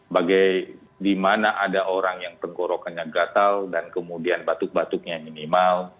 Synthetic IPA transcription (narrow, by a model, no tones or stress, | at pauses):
baɡaj | dimanaʔadaʔoɾaŋjaŋt̪əŋɡoɾokanɲaɡat̪aldankəmudianbat̪ʊk̚bat̪ʊk̚ɲaminimal